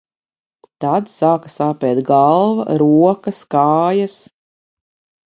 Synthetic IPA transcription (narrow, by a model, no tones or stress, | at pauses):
t̪ad̪saːkḁsaːpʲɛːt̪ɡalˠva̰ɾuɔkaskɑːjas